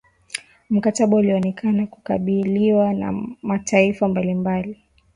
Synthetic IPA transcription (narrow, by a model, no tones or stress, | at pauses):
m̩kataɓauliɔnɛkʰanaku̥kaɓiliwana̰matʰaifambalimbali